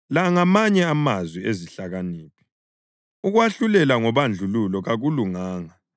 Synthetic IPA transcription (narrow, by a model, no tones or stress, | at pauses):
laŋamaɲɛamazwieziɬaɣaniːpʰɛ̥ | uɣwaɬulɛlaŋɔβand͡ɮʱululɔɣaɣuluŋaːŋa